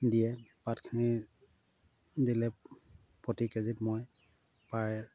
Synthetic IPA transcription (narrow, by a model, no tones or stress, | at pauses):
dijɛpatkʰini | dilɛ | pɔtikɛzitmojpaɹ